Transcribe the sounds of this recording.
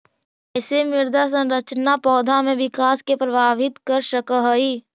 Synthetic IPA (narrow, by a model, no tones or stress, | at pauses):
ɛːsemɪɾd̪ʱas̬ə̃nɾət͡ʃnapɔːd̪ʱamẽʋɪkaːskepɾəbʱaːʋɪt̪kəɾʃəkəɦəiː